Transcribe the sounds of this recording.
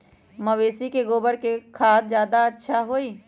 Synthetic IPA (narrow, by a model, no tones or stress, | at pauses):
məʋeːsikeɡoːbəɽkekʰaːt̪̚zjaːd̪aɐtːʃʰaɦoːiː